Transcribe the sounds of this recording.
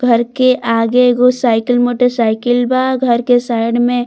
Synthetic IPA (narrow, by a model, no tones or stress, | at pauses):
ɡʱəɾkeʔaːɡeɡosaɪkəlmoːʈəɾsaɪkəlbaɡʱəɾkesaɪɽmẽ